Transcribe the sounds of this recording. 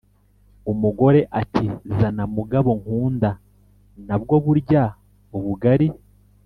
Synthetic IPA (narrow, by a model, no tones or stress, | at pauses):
umuɡo̞ɾe̞ʔatʰizanamuɡaβo̞ŋkuːnda | nab̚ɡo̞βuɾɟa | uβuɡaɾi